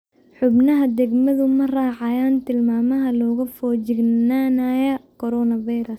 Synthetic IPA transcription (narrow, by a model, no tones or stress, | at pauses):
ħʊbnɐɦɐd̪ɛɡmɐðʊmɐraːʕɑjaːnt̪ʰɪlmaːmɐɦɐlɔːɣɐfɔːt͡ʃɪɡnaːnajɐkʰɔɾɔːnɐvɐjɾɐs